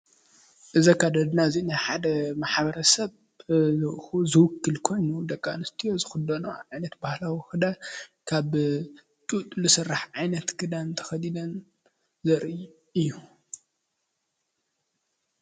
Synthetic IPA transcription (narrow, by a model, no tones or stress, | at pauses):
ʔɨzɐkʰad̪ɐd̪nazinaħad̪ɐmaħbɐɾɐsɐβ | zɨxuzɨwʊkʰːɨlkʰo̞jnud̪ɐkʼːanɨst̪ʰijo̞zɨxɨd̪ɐnoʕajnɐt̪bahlawixɨd̪akʰaβ | t̪ʼut̪ʼlɨsɨrːaħʕajnɐt̪kʰɨd̪ant̪ʰɐ̥xɐd̪id̪ɐn | zɐɾij | ʔɨjːu